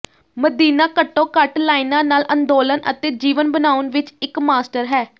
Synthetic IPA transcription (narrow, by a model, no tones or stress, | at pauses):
məd̪iːnaːkəʈːõːkəʈlaːiːnãːnaːlʔənd̪oːlənʔə̰t̪eːd͡ʒiːʋənbənaːʊnʋɪt͡ʃɪkmaːsʈəɾɦɛː